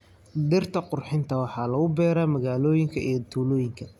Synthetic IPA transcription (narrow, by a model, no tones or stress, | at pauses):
d̪ɪrt̪ʰɐqʊrħɪnt̪ʰɐwɑħɑːlɐɣʊbɛːɾaːmɐɣaːlɔːjɪŋkʰɐʔijɔt̪ʰuːlɔːjɪŋkʰɐ